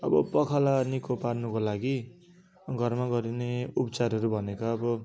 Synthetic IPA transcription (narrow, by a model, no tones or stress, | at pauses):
ʌ̰bʌ̰pʌkʰalanikoparnukolaɡi | ɡʱʌrmaɡʌɾineupʌt͡sarɦʌɾubʱʌnekaʌbʌ